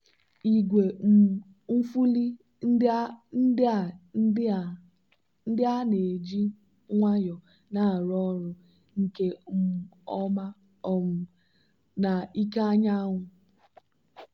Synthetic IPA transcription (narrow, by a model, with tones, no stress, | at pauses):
i˨ɡʷe˨ | m̩˦fu˦li˦˨ | n̩˦dɪ˦a˦ne˨d͡ʒi˦ | ŋʷa˦jɔ˨ | na˨ɾɔ˦ɾʊ˨ | ŋ̩˨ke˦m̩˦˨ɔ˦ma˦ | ɔ˦mʊ˨ | na˨i˦ka˦ɲa˦ŋʷʊ˨